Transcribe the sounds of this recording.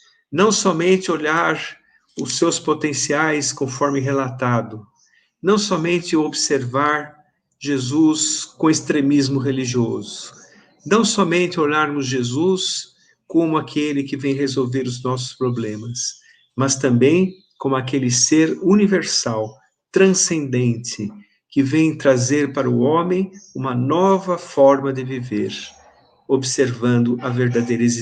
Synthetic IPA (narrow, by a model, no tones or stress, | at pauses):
nɐ̃w̃sɔmẽnt̪ɪoʎaɾ | ʊsewspot̪ẽsiajskõfɔɾmɪɦelat̪ad̪ʊ | nɐ̃w̃sɔmẽnt̪ɪobseɾvaɾ | ʒezuskõest̪ɾemizmʊɦeliʒiɔzʊ̥ | nɐ̃w̃sɔmẽnt̪ɪoʎaɾmʊzʒezus | kõmʊakʰelɪkɪvẽj̃ɦezowveɾʊznɔs̬ʊ̥spɾoblẽmɐs | mɐst̪ɐ̃mbẽj̃ | kõmʊakelɪseɾuniveɾsaw | t̪ɾɐ̃sẽnd̪ẽnt̪ɪ | kɪvẽj̃t̪ɾazeɾpaɾɐʊõmẽj̃ũmɐnɔvɐfɔɾmɐd̪ɪviveɾ | obseɾvɐ̃nd̪ʊʔɐveɾd̪ad̪ejɾez